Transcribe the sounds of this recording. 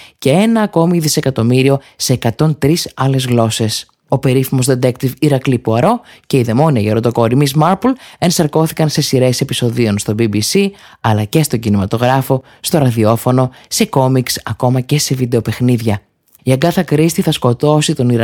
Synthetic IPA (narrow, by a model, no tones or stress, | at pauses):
ce̞enɐːko̞miðise̞kɐt̪o̞miɾio̞se̞ːkɐt̪o̞nt̪ɾisɐle̞zɣlo̞se̞s | o̞pe̞ɾifimo̞zd̪et̪ekt̪iviɾɐklipuɐɾo̞ce̞iðe̞mo̞niɐʝeɾot̪o̞ko̞ɾimizmɐɾpule̞nsɐɾko̞θikɐnse̞siɾe̞se̞piso̞ðio̞nst̪o̞bibisiɐlɐce̞st̪o̞ɟinimɐt̪o̞ɣɾɐfo̞ | st̪o̞ɾɐðio̞fo̞no̞se̞ko̞miksɐko̞mɐce̞se̞vid̪e̞o̞pe̞xniðʝɐ | ieɡɐθɐkɾist̪iθɐsko̞t̪o̞sit̪o̞niɾ